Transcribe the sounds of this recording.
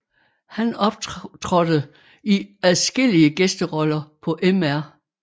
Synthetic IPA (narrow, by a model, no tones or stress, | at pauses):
hænɒ̽b̥t͡sʰʁɒd̥əð̩ˠ | iæðˠsɡ̥el̰iəɡ̥esd̥əʁɒlɐpʰɒ̽ʔemæɐ̰